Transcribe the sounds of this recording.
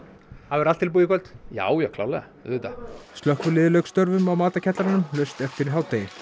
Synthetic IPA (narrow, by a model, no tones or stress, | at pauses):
havɪɾal̥t̪ʰːɪlp̬uːjɪkʰœlt̪ja̰ːwjɛɣkʰla̰wlaa̰ | ðʏt̪ast̪lœhkvʏlɪːðlœkst̪œɾvʏmawmaːt̪acʰɛt̪laɾanʏmlœɥst̪ɛft̪ɪɾɦaːwt̪e